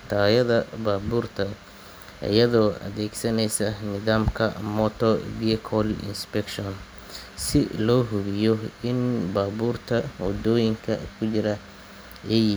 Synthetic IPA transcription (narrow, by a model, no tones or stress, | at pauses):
t̪ʰaːjɐðɐbaːbuːrt̪ʰɐ | ʔɐ̰jɐðɔːʔɐ̰ðɛːɡsɐnɛjsɐnɪðaːmkʰɐ̰mɔt̪ʰɔviɛkʰɔlɪ̰nspɛkʃɔn | sɪlɔːɦʊɣɪjɔɪnbaːbuːrt̪ʰɐwɔ̰d̪ɔːjɪŋkʰɐ̰kʰʊt͡ʃɪɾɐ | ɛj